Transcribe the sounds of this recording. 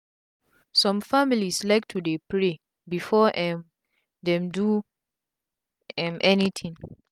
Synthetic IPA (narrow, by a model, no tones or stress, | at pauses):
sɔ̃mfamilislaɪk̚tʰudepɹe | bifɔʔɛm | dɛ̃mdu | ɛ̃mʔɛnitʰĩŋ